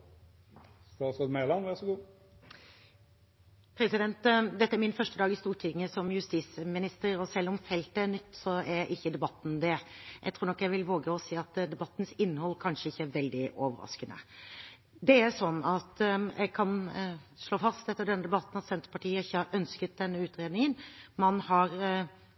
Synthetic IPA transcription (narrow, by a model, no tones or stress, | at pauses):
st̪ɑːsɔd̪melɑnʋæʁsɔɡuː | pʰɾɛsɪd̪ɛnt̪d̪ɛt̪ːəæɾmɪnfœʂʈəd̪ɑːɡɪst̪uːɾʈʰɪŋːəsɔmjʉst̪iːsmɪnɪst̪əɾɔsɛlːɔmfɛlt̪əæɾnʏt̪ːsɔɛɾɪçːəd̪ɛbɑt̪ːn̩d̪ɛjʔɛɪt̪ʰɾuːɾɳnɔkːjæɪʋɪlʋoːɡəɔsiːɑt̪d̪ɛbɑt̪ːn̩sɪnːəhɔlːkʰɑnʂəɪçːəæɾʋɛld̪ɪʔoːʋəɾɑ̰skənə̰ | d̪ɛæɾʂɔnːɑt̪jʔæ̰ɡ̚kʰɑnʂɭoːfɑst̪ɛt̪ːəɖɛnːəd̪ɛbɑt̪ːn̩ɑt̪sɛnt̪əɾpɑʈiːəɪçːəɑɾʔœnskət̪̚d̪ɛnːəʉːt̪ɾeːd̪nɪŋənmɑnhɑɾ